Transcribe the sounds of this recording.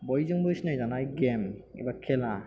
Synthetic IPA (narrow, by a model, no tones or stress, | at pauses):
bɔjzɯŋbɔjsnajzanajɡɛmḭbakʰɛla